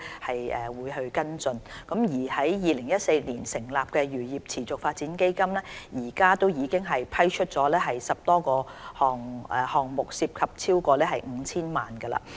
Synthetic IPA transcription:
hɐ˨jʔɛː˨˩wuː˨˧jɦɵ˧ɥkɐ˥nt͡sɵ˧nkɐ˨˥mjiː˨˩hɐ˨˥jjiː˨˧lɪ˨˩ŋjɐ˥t̚se˧jniː˨˩nsɪ˨˩ŋlaː˨p̚kɛː˧ɥyː˨˩jiː˨˩p̚t͡sʰiː˨˩t͡sʊ˨k̚faː˧t̚t͡siː˨˥nke˥jkɐ˥mlɛː˥jiː˨˩kaː˥t̪o˥wjiː˨˧kɪ˥ŋɦɐ˨jpʰɐ˥jt͡ʃʰɵ˥t̚t͡sɔː˨˦˥lɛː˥ɦɐ˨jsɐ˨p̚t̪ɔː˥kɔː˧hɔː˨ŋː˨˧hɔː˨˩ŋmʊ˨k̚siː˧p̚kʰɐ˨p̚t͡sʰiː˥wkɔː˧lɛː˥ɦɐ˨jŋ̩˨˧t͡sʰiː˥nmaː˨nkɐ˧la̰ː˧

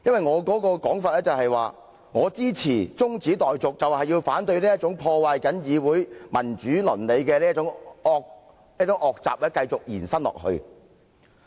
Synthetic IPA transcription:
jɐ˥nwɐ˨jŋɔː˨˧kɔː˨˥kɔː˧kɔː˨˥ŋfaː˧t̚lɛː˥t͡sɐ˨whɐ˨jwaː˨ | ŋɔː˨˧t͡siː˥t͡sʰiː˨˩t͡sʊ˥ŋt͡siː˨˥t̪ɔː˨jt͡sʊ˨k̚t͡sɐ˨whɐ˨jːiː˧wfaː˨˥nt̪ɵ˧ɥliː˥jɐ˥t͡ʃʊ˨˥ŋpʰɔː˧waː˨jkɐ˨˥njiː˨˧wuː˨˥jmɐ˨˩nt͡ʃyː˨˥lɵ˨˩nle˨˧jkɛː˧liː˥t͡sʊ˧˥ŋɔː˨k̚ | li˥t͡sʊ˨˧˥ŋʔɔː˨k̚t͡sa̰ː˨p̚lɛː˥kɐ˧jt͡sʊ˨k̚jiː˨˩nsɐ˥nlɔ̰ː˨k̚hɵ̰˧ɥ

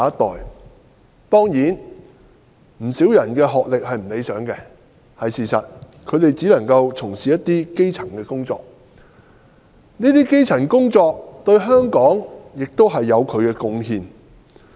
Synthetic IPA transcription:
ɐ˥t̪ɔ̰ː˨j | t̪ɔː˥ŋjiː˨˥n | m̩˨˩siː˨˥wjɐ˨˩nkɛː˧ɦɔː˨k̚lɪ˨k̚hɐ˨jm̩˨˩le˨˧jsœː˨˥ŋkɛ˧ | hɐ˨jsiː˨˩sɐ̰˨t̚ | kʰɵ˨˧ɥɾe˨jt͡siː˨˥lɐ˨˩ŋkɐ˧wt͡sʰʊ˨˩ŋsiː˨jɐ˥t̪ːiː˥ke˥jt͡sʰɐ˨˩ŋkɛː˧kʊ˥ŋt͡sɔ̰ː˨k̚ | niː˥t̪iː˥ke˥jt͡sʰɐ˨˩nkʊ˥ŋt͡sɔː˧k̚t̪ɵ˧ɥɦœː˥ŋkɔː˨˥ŋjɪ˨k̚t̪o˥wɦɐ˨jːɐ˨˧wkʰɵ˨˧ɥkɛː˧kʊ˧ŋɦiː˧n

